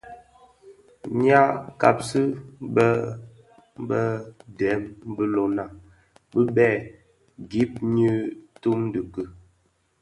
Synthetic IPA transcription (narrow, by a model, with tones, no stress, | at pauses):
ɲa˦ka̰˨p̚sɨ˦bə˦ | bə˦dɛ˨˦mbə˦lo˨na˨ | bə˦bɛ˦˨ | ɡi˦p̚ɲi˦tu˦mdə˨kə˦˨